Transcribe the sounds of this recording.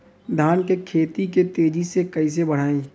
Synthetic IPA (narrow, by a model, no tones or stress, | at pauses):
d̪ʱaːnkekʰeːt̪iket̪eːd͡ʒisekɐis̬ebɐɽ̤aːẽː